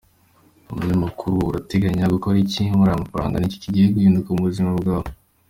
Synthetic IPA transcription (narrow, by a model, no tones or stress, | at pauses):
umuɲamakʰuɾuɾateɡaɲaɡukoɾicimuɾajamafaɾa̰ːŋɡa̰nici̥ciɟiheɡiːndukamuβuzimabɡaːβo